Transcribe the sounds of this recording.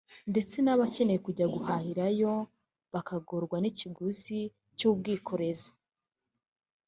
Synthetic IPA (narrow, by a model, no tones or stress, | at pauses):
nde̞t͡se̞naβace̞neje̞kuɟaɡuhahiɾajo̞ | βakaɡoɾɡwaniciɡuzi | cuːb̚ɡiːkʰo̞ɾe̞zi̥